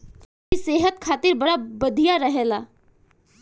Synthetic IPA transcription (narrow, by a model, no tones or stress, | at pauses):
iseːɦət̪̚kʰaːt̪ɪɾbɐɽabɐd̪ʱijaɾɐɦɛlaː